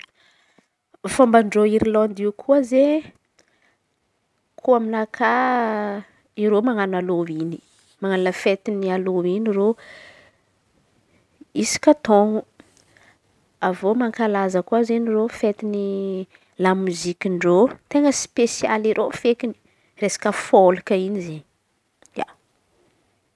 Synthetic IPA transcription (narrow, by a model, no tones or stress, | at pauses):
fambaɳɖ͡ʐoiɾilond̪iukʰuəze | kʰuaminakʰa | iɾomaŋanaloini̥ | maŋannfet̪inialoiniɾo | isi̥kʲat̪oŋu | avomaŋkalazəkuazenirofet̪ini | lamuzikiɳɖ͡ʐot̪eŋɡəspesia̰liɾʔofekini̥ | resḁkəfolikəinizeni | ja̰